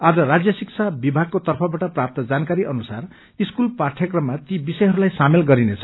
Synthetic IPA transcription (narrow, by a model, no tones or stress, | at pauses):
ad͡zʌɾad͡zjʌsik̚t͡sʰabibʱaɡ̚kot̪ʌrpʰʌbaʈʌprap̚t̪ʌd͡zankaɾiʔʌnusar | iskulparʈʰjʌkrʌmːat̪ibisʌjɦʌɾulajsamelɡʌɾinet͡sʰʌ̥